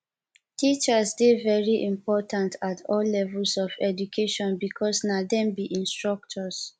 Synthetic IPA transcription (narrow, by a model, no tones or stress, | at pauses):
tit͡ʃəsdevɛɹiʔĩmpɔtãntʰatʰɔlːɛvɛlsɔvɛdukʰeʃɔ̃nbikʰɔsnadɛ̃mbiʔĩnstɹɔk̚tʰɔs